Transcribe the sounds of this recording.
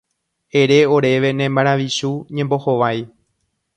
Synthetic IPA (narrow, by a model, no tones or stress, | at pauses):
eɾe̞o̞ɾe̞ʋe̞nẽmbaɾ̃ãʋiʃuɲẽ̞mbo̞hoʋaj